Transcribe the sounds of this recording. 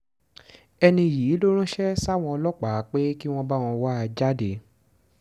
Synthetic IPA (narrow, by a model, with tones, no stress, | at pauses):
ɛ˧nĩ˧˨jiː˨˦lo˦ɾ̃ũ˦ʃɛ˦sa˦˨w̃ɔ̃˧ɔ˧lɔ˦k͡pa˨˦k͡pe˦ki˦w̃ɔ̃˦ba˦˨w̃ɔ̃˧wa˦a˧d͡ʒa˦de˨˦